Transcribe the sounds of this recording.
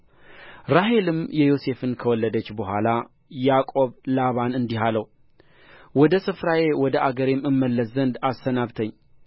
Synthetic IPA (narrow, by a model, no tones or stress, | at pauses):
ɾaɦe̞lɨmjɛjo̞se̞fɨnkʰəwɔlːəd̪ət͡ʃːbəhʷala | jakʼo̞βlaβanɨnd̪iɦaləw | wɔd̪əsɨfɾaje̞wɔd̪əʔaɡəɾemɨmːəlːəszːənd̪ast̪ənaβt̪ʰəɲː